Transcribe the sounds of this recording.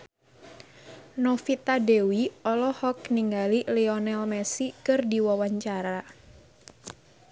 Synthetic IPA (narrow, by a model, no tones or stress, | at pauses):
nɔfit̪adewiɔlɔhɔk̚niŋɡalilɛɔnɛlmɛsikɨrdiwawaɲt͡ʃaɾa